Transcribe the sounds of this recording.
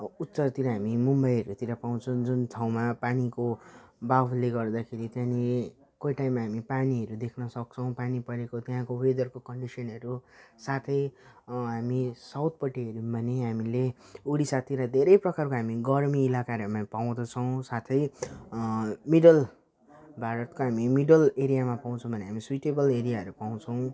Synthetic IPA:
ut̪sʌrt̪iɾʌɦamimumbʌjɦʌɾut̪iɾapaw̃t͡sʰʌw̃d͡zunt̪ʰaw̃mapanikobabʱuleɡʌrd̪akʰeɾit̪jãni | kojʈaimːaɦamipaniɦʌɾud̪ekʰnʌsʌk̚t͡sʰʌ̃w̃panipʌɾekot̪jɦãkowed̪ʌrkokʌɳɖisʌnɦʌɾusat̪ʰʌjɦamisawt̪̚pʌʈeɦʌɾumbʱʌneɦamile | uɽisat̪ʰiɾad̪ʱeɾʌjprʌkarkoɦamiɡʌrmiːlakaɾʌmapaw̃d̪ʌt͡sʰʌw̃sat̪ʰʌj | miɖʌl | bʱaɾʌt̪̚koɦamimiɖʌleɾijamapaw̃t͡sʰʌ̃w̃bʱʌneɦamiswiʈebʌleɾijaɦʌɾupaw̃t͡sʰʌw̃

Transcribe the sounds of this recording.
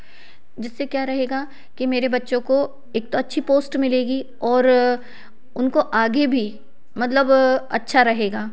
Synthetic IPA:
d͡ʒɪsːekjaːɾɐɦeːɡa | kimeːɾebɐtːʃõko | eːk̚t̪oɐtːʃʰipoːsʈmɪleːɡi | ɔːɾ | ʊnkoʔaːɡebʱi | mɐt̪ləbɐtːʃʰaɾɐɦeːɡaː

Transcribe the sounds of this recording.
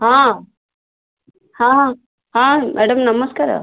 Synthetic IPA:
hãː | hãːɦãː | hãːmʔɛːɽɐmnɐmɐskaːɾa̰

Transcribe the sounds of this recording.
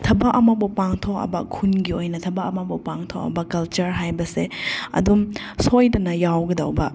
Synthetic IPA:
tʰɐbɐkʔɐmɐbɐpaŋtʰokɐ̰bɐkʰunɡiojnɐtʰɐbaɐmɐbupaŋtʰokɐ̰bɐkɐlt͡ʃɐɾɦajbɐseɐ̰dum | sojdɐnɐjawɡɐdɐwbɐ

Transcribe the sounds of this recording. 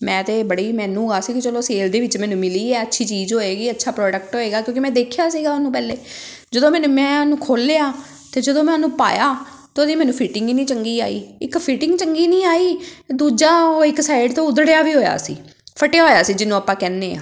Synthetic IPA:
mɛ̃ːt̪eːbəɽiːmɛ̃ːnũːɡaːsiːkɪt͡ʃəloːseːld̪eːʋɪt͡ʃmɛ̃ːnũːmɪliːɛːətːʃʰiːt͡ʃiːzɦoːeːɡiːətːʃʰaːpɾɔːɖək̚ʈɦoːeːɡaːkjõːkɪmɛ̃ːd̪eːkʰjaːsiːɡaːnũːp̬ɛːleː | d͡ʒəd̪õːmɛːnũːmɛ̃ːnũːkʰoːlejaː | t̪eːd͡ʒəd̪õːmɛ̃ːnũːpa̰ːjaː | t̪eʊd̪iːmɛ̃ːnũːpʰɪʈɪ̃ŋɡinĩːt͡ʃəŋɡiːaːḭːɪkpʰɪʈɪŋɡt͡ʃəŋɡiːnĩːaːiːd̪uːd͡ʒaːoːɪksaːɪɖt̪õːʊd̪ɽjaːʋiːɦoːja̰ːsḭː | pʰəʈejaːɦoːjaːsiːd͡ʒɪnːũːəpːãːkɛːnːeːã̰ː

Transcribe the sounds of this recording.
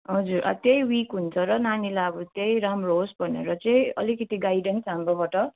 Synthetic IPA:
ɦʌd͡zuɾʔa̰t̪ejwikɦunt͡sʰʌɾʌnanilaʌbʌt̪ejɾamroɦosbʱʌnḛɾʌt͡sʌĩʌ̰likʌt̪iɡajɖensɦamrobaʈʌ

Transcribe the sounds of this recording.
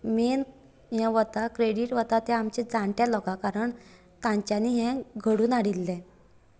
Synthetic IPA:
men | ɦɛ̃ʋət̪akɾeɽiʈʋət̪at̪ɛ̃amt͡ɕɛd͡zaɳʈjalɔkakaɾəɳ | t̪ãɲt͡ɕjãniːɦɛ̃ɡʱəɽuːnaɽilːɛ̃

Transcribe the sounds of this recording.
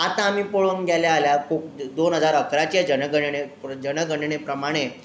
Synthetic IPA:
at̪ãːmiːpoɭəŋɡʱjaljaːljakok̚d̪onɦəd͡zaɾəkɾat͡ɕed͡ʑənəɡəɳɽed͡ʑənəɡəɳɳepɾəmaɽ̃e

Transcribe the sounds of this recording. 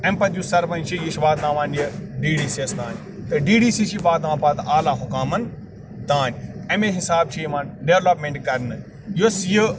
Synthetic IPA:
ẽmpɐt̪jusɐɾpɐnt͡ʃʰijiʃiʋaːt̪ãːʋãːniɐɖiːɖiːsiɐsd̪aːn | t̪ɐɖiːɖiːsiːsibaːd̪ãːpaːt̪ʔaːlaːɦʊkaːmɐn | d̪ãːnɐmeɦɪsaːbt͡ʃʰiʋãːnɖeʋlɐpmẽɳʈkɐɾnɨ | josijə

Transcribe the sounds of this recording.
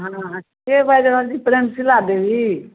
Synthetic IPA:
ɦãkebajdɾəɦəld͡ʒipɾemsilad̪ebi

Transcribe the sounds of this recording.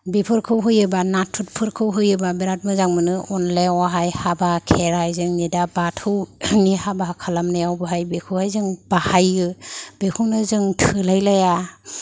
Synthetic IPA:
bipʰɯɾkʰɯwɦɯjɯbanatʰut̚pʰɯɾkʰɯwɦɯjɯbabiɾat̚mɯzaŋmɯnɯʔɔnlewaɦajhabakʰeɾajzɯŋnidabatʰɯwnihabaɦakʰalamnajawbɯɦajbekʰɯwhajzɯŋb̥ahajɯb̥ekʰɯwnɯzɯŋtʰɯlajlaja

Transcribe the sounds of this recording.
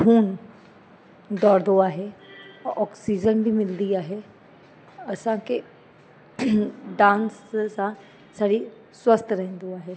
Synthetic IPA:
uːn | d̪ɔːɾd̪oːaːɦeːʔɔːksiːd͡ʒənbʱiːmɪld̪iːaːɦeː | əsãːke | ɖãːnssãː | saːɾiː | swəst̪ʰɾɛɦɛ̃nd̪oaːɦeː

